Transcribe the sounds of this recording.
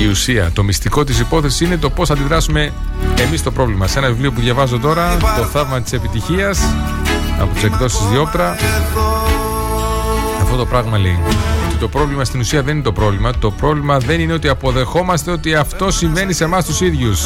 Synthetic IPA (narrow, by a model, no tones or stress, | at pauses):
iusiɐ̰t̪o̞mist̪iko̞t̪isipo̞θe̞sisine̞t̪o̞po̞sθɐnd̪iðɾɐsume̞ | emist̪o̞pɾo̞vlimɐse̞nɐvivlio̞p̬uðʝɐvɐzo̞t̪o̞ɾɐt̪o̞θɐvmɐt̪i̥se̞pit̪içiɐs | ɐ̰pot̪isekðo̞sizðio̞pt̪ɾɐ | ɐft̪o̞t̪o̞pɾɐɣmɐleiot̪it̪o̞pɾo̞vlimɐst̪inusiɐðeninet̪o̞pɾo̞vlimɐt̪o̞pɾo̞vlimɐðe̞nine̞ot̪iɐpo̞ðe̞xo̞mɐst̪e̞o̞t̪iɐft̪o̞siɱve̞nise̞mɐst̪usiðʝus